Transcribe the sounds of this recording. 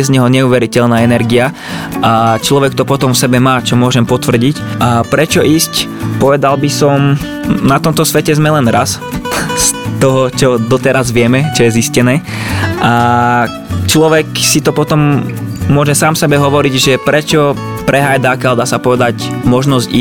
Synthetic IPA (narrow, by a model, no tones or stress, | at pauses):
ɛzɲɛɦɔɲɛuːʋɛɾicɛʎnaːɛnɛɾɡia | ʔat͡ʃlɔʋɛk̚t̪ɔpɔt̪ɔmfsɛbɛmaːt͡ʃɔmʊɔʒɛmpɔt̪ʋr̩ɟicʔapɾɛt͡ʃɔʔiːsc | pɔʋɛd̪albisɔm | nat̪ɔmt̪ɔsʋɛcɛzmɛlɛnɾas | st̪ɔɦɔt͡ʃɔd̪ɔt̪ɛɾazʋɪɛmɛt͡ʃɔjɛziscɛnɛː | ʔa | t͡ʃlɔʋɛksit̪ɔpɔt̪ɔmːʊɔʒɛsaːmsɛbɛɦɔʋɔɾiɟʒɛpɾɛt͡ʃɔ | pɾɛɦajd̪akald̪aːsapɔʋɛd̪acmɔʒnɔzɟḭː